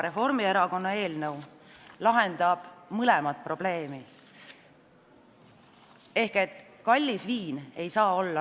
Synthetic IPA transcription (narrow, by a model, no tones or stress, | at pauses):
ɾe̞fo̞rmie̞ɾɑko̞nːɑe̞ːlnəw | lɑɦe̞nd̪ɑb̥mɯlemɑt̪̚pro̞b̥le̞ːmi | e̞hke̞t̪ːˑ | kɑlʲːisviːne̞jsɑːo̞lːɑ